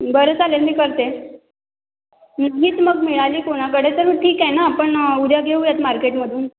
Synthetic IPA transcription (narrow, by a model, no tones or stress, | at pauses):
bəɾət͡salelmiːkəɾt̪e | naɦiːt͡s̪məɡmiɭaliːkoɽ̃ak̬əɽet̪əɾmʈʰiːkjɛnaːpəɳud̪ʱjaɡʱeuːjat̪maɾkeʈməd̪ʱuːn